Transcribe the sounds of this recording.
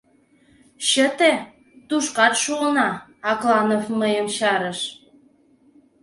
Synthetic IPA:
ɕət̪e | t̪uʃkɑt̪ʃuənɑɑklɑnofməjəmɕɑɾəʃ

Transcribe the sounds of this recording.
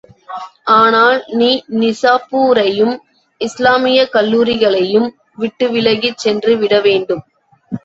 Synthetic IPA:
ʔaːnaːlniːnɪsaːpuːɾɐjɯm | ʔɪslaːmɪjɐkɐlːuːɾɪɣɐɭɐjɯm | ʋɪʈːɯʋɪɻɐɣɪt͡ʃːɛndrɯʋɪɽɐʋeːɳɖɯm

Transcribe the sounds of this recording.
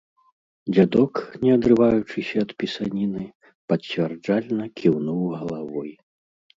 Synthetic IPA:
d͡zʲad̪ɔknʲɛɐd̪ɾɨvajut͡ʂɨsʲɐːt̪pʲisanʲinɨ | pɐt͡sʲvʲɛrd͡ʐalʲnɐkʲʰiwnuwɣɐlˠavɔj

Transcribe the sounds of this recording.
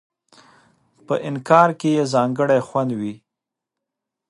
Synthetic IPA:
pəʔɪnkɑɾkejezɑŋɡəɽajxwand̪wi

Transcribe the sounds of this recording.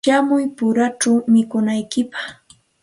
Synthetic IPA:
amʊjpʊɾat͡ʃawmɪkʊnajkɪpḁχ

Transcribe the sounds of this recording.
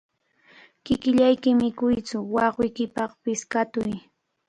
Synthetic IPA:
kɪkɪʎajkɪmɪkʊjt͡sʊwɑχwɪjkɪpɑχpɪskat̪ʊj

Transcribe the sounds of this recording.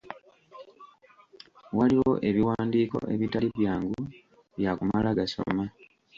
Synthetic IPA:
waliwo̞ʔe̞βiwaːndiːko̞̰ʔe̞̰βitaliβjaːŋɡu | βjakumalaɡaso̞̰ma

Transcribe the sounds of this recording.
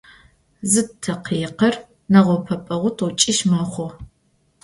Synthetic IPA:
zɨtʰːɐqiːqɐr | nɐʁʷɔpʰɐpʼɐʁʷʊtʰɔt͡ʃʼɪʃmɐχʷɔ

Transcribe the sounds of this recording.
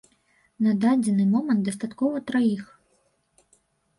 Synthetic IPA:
nɐd̪ad͡zʲɛnɨmɔmɐnt̪̚d̪ɐst̪at̪kɔvɐt̪ɾajix

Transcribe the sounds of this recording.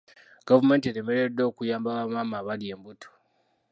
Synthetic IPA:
ɡ̥avumenteɾemeɾedoːkujaːmbaβamamaβaɾjembutʰo̥

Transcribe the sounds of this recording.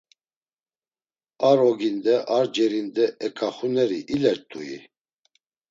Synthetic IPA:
aɾɔɡind̪ɛʔaɾd͡ʒɛɾind̪ɛɛkʼaχunɛɾiʔilɛɾt̪ʼuḭ

